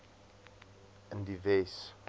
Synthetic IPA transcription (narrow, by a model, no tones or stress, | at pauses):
ə̃ndivɛs